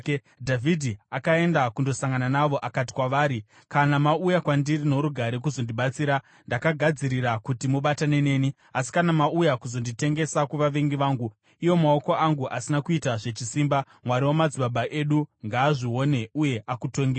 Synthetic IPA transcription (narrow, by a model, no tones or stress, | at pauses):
dʱavʱidʱiakae̞ndakundo̞saŋɡananaʋo̞ʔakati̥kwaʋaːɾi | kanamaujakwandirino̞ɾuɡʱaɾe̞k̬uzo̞ndiɓat͡siːɾa | ndakaɡʱad͡ziɾiɾakutimuɓatane̞ne̞ːni | asi̥kanamaujakuzo̞ndite̞ŋɡe̞sakuʋaʋe̞ŋɡiʋaːŋɡu | ijo̞mao̞ko̞aŋɡuʔasinakuitaʐe̞t͡ʃisimba | mwaɾiwomad͡ziɓaɓaʔe̞ɗuŋɡaːʐio̞ne̞uje̞ʔakuto̞ŋɡe